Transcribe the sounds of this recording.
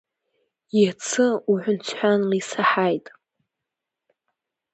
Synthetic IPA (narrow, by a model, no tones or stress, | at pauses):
it͡sʰɨuħʷʊnt͡sʷʰħʷᶣanlisaħajtʼ